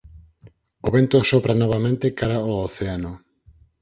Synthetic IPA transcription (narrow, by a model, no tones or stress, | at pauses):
oβent̪osopɾanɔβ̞amẽnt̪ekaɾaooθeano